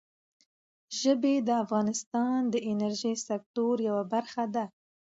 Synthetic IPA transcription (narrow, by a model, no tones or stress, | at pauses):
ʒəbed̪əafɣɑnɪst̪ɑnd̪əʔɪnaɾʒijsak̚t̪oɾjawabaɾxad̪a